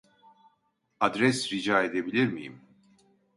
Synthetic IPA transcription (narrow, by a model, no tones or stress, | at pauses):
ɐd̪ɾɛsɾid͡ʒaːɛd̪ɛbleɾmḭːm